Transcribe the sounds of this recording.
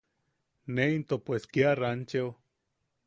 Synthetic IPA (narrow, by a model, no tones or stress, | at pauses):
neint̪opweskiarant͡ʃeo